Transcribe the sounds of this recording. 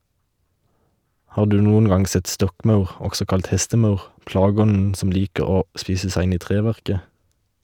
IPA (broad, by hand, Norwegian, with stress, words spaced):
ˈhɑː ˈdʉː ˈnuːən ˈɡɑŋ ˈsɛt ˈstɔkˌmɑʉʁ ˈɔɡsɔ ˈkɑlt ˈhɛstəˌmɑʉʁ ˈplɑːɡəˌɔnn̩ ˈsɔm ˈliːkə ˈoː ˈspiːsə ˈsæɪ ˈɪn ˈiː ˈtʁeːˌʋæʁkə